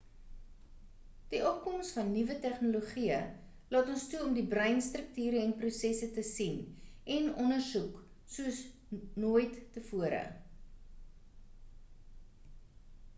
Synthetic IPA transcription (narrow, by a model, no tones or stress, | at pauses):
d̥iʔɔp̚kɔmstfɐnːivətɛχnulouχiə | lɑːtɔnstuɔmdibrəjnstrək̚tyːɾəɛnprusɛsətəsinʔɛnɔnərsuk | suəsnuəjtːəfuəɾə̰